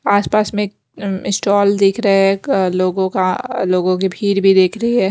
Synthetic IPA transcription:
aːspaːsmẽ | ɪsʈɔːld̪eːkʰɾɐɛloːɡõkaloːɡõk̬ibʱiːɾbʱid̪eːkʰɾɐɦiɦɛː

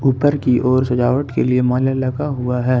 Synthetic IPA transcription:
uːpəɾkiʔɔːɾsɐd͡ʒaːʋəʈkeliemaːljalɐɡaɦʊaɦɛː

